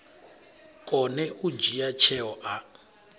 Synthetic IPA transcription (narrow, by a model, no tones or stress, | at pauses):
kʼɔnɛʔud͡ʒijat͡ʃʰɛɔʔa